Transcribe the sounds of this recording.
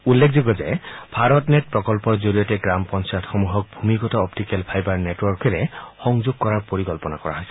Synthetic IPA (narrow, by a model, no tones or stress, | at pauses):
ulːekʰzoɡɔzɛb̥ʱaɹɔtnet̚pɹɔkɔlpɔɹzoɹijɔtɛɡɹampɔnsajtxomuɦɔk̚bʱumikɔtɔɔptikɛlpʰajbaɹnetwɔɹkɛɹɛxɔŋzoɡ̚kɔɹaɹpoɹikɔlpɔnakɔɹaɦɔjsɛ̥